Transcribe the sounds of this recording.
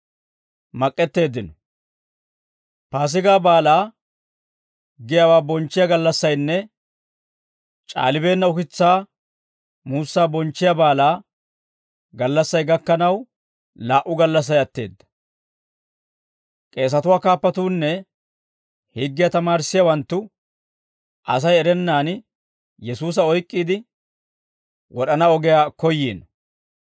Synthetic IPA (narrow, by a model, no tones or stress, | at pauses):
mɐkʼːɛt̪ːe̞ːd̪ːɪnɔ | paːs̬ɪɡaːbaːlaː | ɡɪjawaːbɔnt͡ʃːɪjaɡɐlːɐsːɐjnːɛ | t͡ʃʼa̰ːlɪbe̞ːnːɐʊkɪt͡sːaː | muːsːaːbɔnt͡ʃːɪjabaːlaː | ɡɐlːɐsːɐjɡɐkːɐnɐw | laːʔʊɡɐlːɐs̬ːɐjɐt̪ːe̞̰ːd̪ːɐ̥ | kʼe̞ːs̬ɐt̪ʊwaːkaːpːɐt̪uːnːɛ | hɪɡːɪjɐt̪ɐmaːɾsːɪjɐwɐnt̪ːʊ | ʔɐ̰s̬ɐjɛɾɛnːaːn | jɛsuːs̬ɐɔjkʼːiːd̪ɪ | wʔɔɗɐnɐɔɡɛjaːkɔjːḛːn